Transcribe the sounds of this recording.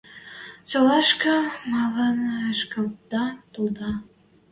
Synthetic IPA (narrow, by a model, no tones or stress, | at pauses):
t͡ɕolɑʃkɑmɑlɑnʃkɤld̪ɑt̪ulˠd̪ɑ